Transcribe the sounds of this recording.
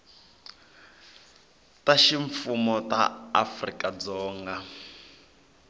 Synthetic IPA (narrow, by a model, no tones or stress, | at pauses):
taʃiɱfumɔta̰a̰frikʼad͡zɔːŋɡa